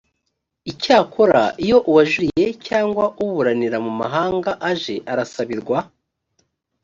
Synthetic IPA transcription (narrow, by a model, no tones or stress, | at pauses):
icaːkʰo̞ɾa̰ijo̞ʔuwaʒuɾije̞caːŋɡwauβuɾaniɾamuma̰ɦaːŋɡaʔaʒe̞ʔaɾasaβiɾɡwa